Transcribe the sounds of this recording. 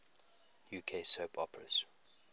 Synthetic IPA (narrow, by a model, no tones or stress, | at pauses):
juːkʰesoːpʰɔpɹəz̥